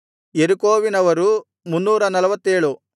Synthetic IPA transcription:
jeɾukoːʋinɐʋɐɾu | munːuːɾɐnɐlɐʋɐt̪ːeːɭu

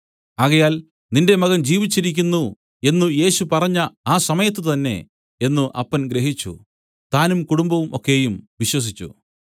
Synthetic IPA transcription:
ɐɣɐjaːl | ninde̞mɐɣɐmd͡ʑiːʋit͡ɕːiɾik̬ʲːunːu | e̞nːuje̞ːɕupɐrɐɲːɐaːsɐmɐjɐt̪̬ːɨt̪ɐnːe̞̰ | enːuʔɐpːɐnɡɾe̞ɦit͡ɕːṵ | t̪aːnumkuɽumbɐʋumo̞kːe̞ːjumʋiɕwɐs̬it͡ɕːṵ

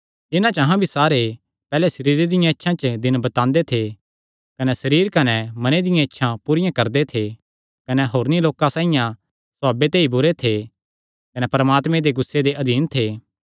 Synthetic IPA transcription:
ɪnãt͡ʃɐɦãbʱisaːɾe | pɛːlɛsɐɾiːɾed̪ɪjãɪtːʃʰãt͡ʃəd̪ɪnbɐt̪ãːnd̪et̪ʰe | kɐnɛsɐɾiːɾkɐnɛmɐned̪ɪjãɪtːʃʰãpuːɾɪjãkɐɾd̪et̪ʰe | kɐnɛɦoːɾniloːkãsãːɪjã | saːbet̪eːibʊɾet̪ʰe | kɐnɛpɐɾəmaːt̪mẽd̪eɡʊsːed̪eʔɐd̪ʱiːnt̪ʰeː

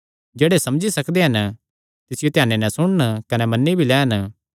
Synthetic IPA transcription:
d͡ʒeːɽesɐmd͡ʒisɐkd̪eɦɐn | t̪ɪsɪjot̪jaːnːenɛ̃sʊɽ̃nkɐnɛmɐnːibʱilɛːɦɐn

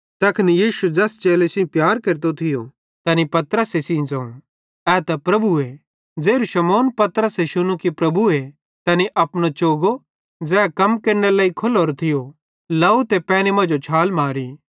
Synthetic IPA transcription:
t̪ɐkʰnijiːʃud͡zɛst͡ʃeːlesɪ̃pjaːɾkɐɾt̪ot̪ʰɪjo̰ | t̪ɐnipɐt̪ɾəsesĩd͡zɐ̃ːṵ̃ | ɛːt̪ɐpɾɐbue | d͡zeːɾuʃɐmoːnpɐt̪ɾəseʃʊñũkipɾɐbue | t̪ɐniʔɐpɽñot͡ʃoːɡo | d͡zɛːkɐmkɐɾɽ̃elaːikʰʊlɦoːɾt̪ʰɪjo | laːut̪epɛːnemɐ̃d͡ʒot͡ʃʰaːlmaːɾi

